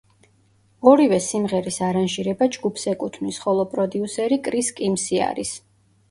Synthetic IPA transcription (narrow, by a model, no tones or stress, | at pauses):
ɔɾivɛsimʁɛɾisaɾanʒiɾɛbad͡ʒɡupʰsɛkʼut̪ʰmnisχɔlˠɔpʼɾɔd̪iusɛɾikʼɾiskʼimsia̰ɾis